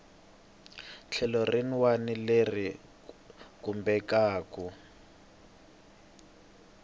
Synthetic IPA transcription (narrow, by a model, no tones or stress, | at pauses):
t͡ɬʰɛlɔrenwanileri | kumbɛkaːku